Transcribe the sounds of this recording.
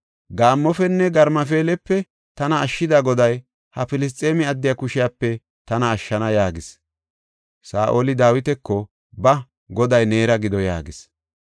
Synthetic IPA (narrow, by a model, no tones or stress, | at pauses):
ɡaːmːɔfɛnːɛɡɐɾmɐfe̞ːlɛpːɛ | t̪ɐnɐːʃːɪd̪aɡɔd̪ɐj | hɐfɪlɪs̬t̪ʼe̞ːmɪɐd̪ːɪjakʊʃɪjapːɛ | t̪ɐnɐːʃːɐnɐjaːɡɪs | saːʔoːlɪd̪aːwɪt̪ɛkːɔ | bɐ | ɡɔd̪ɐjneːɾɐɡɪd̪ɔja̰ːɡɪs